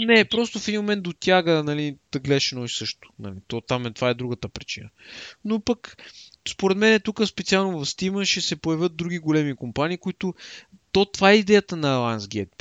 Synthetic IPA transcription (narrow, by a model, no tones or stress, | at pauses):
nɛpɾɔst̪ʊfɛd̪imomɛnt̪d̪ot̪ʲjaɡənɐlid̪̥ɐɡlɛʃɛnɔisɤʃt̪ʊ̥nɐ̰lit̪ɔt̪amɛt̪vaɛd̪ɾuɡət̪əpɾit͡ʃḭnənopəkspoɾɛt̪mɛnɛt̪ukəspɛt̪sialˠnovɐfst̪iməʃɛsɛpojɐvʲət̪̚d̪ɾuɡʲiɡolɛmikompaniːkʊit̪ʊt̪ot̪vaɛid̪ɛjət̪ənɐlˠansɡɛt̪̚